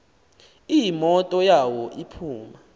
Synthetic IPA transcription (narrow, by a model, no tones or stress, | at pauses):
ijimɔtʼɔjawɔʔipʰuːma